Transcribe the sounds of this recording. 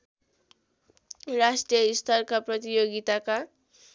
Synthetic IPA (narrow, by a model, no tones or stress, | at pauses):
rasʈrijʌist̪ʰʌrkaprʌt̪ijoɡit̪aka